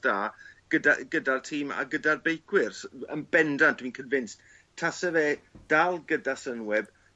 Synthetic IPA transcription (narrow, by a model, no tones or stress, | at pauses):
d̥aːɡ̥əda̰ɡ̥ədartʰiːma̰ɡədarbejkʰwɪrsə̰nbɛndand̥wiːnkʰənvɪnst | tʰasəveːd̥alˠɡədasənwɛb̥